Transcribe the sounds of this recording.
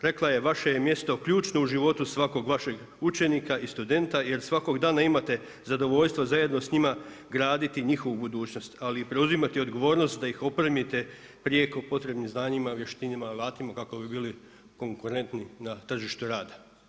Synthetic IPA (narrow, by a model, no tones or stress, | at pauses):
ɾe̞klaje̞ʋaʃe̞jemje̞st̪o̞kʎuːt͡ʃno̞uʒiʋo̞t̪usʋako̞ɡʋaʃe̞ɡ | ut͡ʃe̞niːkaist̪ud̪e̞nt̪aje̞ɾsʋako̞ɡd̪aːnaimat̪e̞ | zad̪o̞ʋo̞ʎst̪ʋozaje̞d̪no̞sɲima | ɡɾaːd̪it̪iɲixo̞ʋubud̪uːt͡ɕno̞st̪aliːpɾe̞uzimat̪io̞d̪ɡo̞ʋo̞ːɾno̞st̪d̪aixo̞pɾemit̪e̞ | pɾije̞ko̞po̞t̪ɾe̞bnimznaːɲimaʋje̞ʃt̪inimalˠaːt̪imakako̞bibiːli | ko̞ŋkuɾe̞nt̪ninat̪r̩ʒiʃt̪uɾaːd̪ḁ